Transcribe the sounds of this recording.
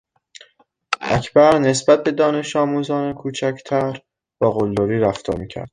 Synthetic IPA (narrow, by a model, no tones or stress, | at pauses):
ʔæ̰cʰbæɾne̞sbæt̪̚be̞d̪ɒːne̞ʃɒːmuːzɒːnekʰuːt͡ʃʰæcʰt̪ʰæɾ | bɒːɣolːoɾiːɾæft̪ʰɒ̰ːɾmiːcʰæ̰ɾd̪̥